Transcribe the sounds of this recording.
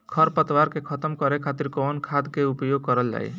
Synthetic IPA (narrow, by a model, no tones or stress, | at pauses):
kʰʌɾpət̪waɾkekʰʌt̪əmkɔɾekʰat̪iɾkɔnkʰad̪keupjoɡ̚kʌɾəld͡ʒa̰j